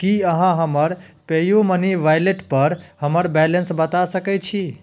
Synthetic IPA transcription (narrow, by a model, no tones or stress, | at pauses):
kiəɦãɦəməɾpejoməniʋajleʈpəɾɦəməɾbɛlensbət̪asəkɛt͡ʃʰi